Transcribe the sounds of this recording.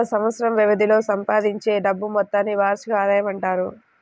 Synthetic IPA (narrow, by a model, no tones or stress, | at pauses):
ɐsɐmʋɐt̪sɐɾɐmʋiʋɐd̪ilo̞ːsɐmpaːd̪iɲt͡ʃe̞ːɖɐbːumɔt̪ːaːnːiʋaːɾʂɐɡaːd̪ɐjɐmɐɳʈaːɾu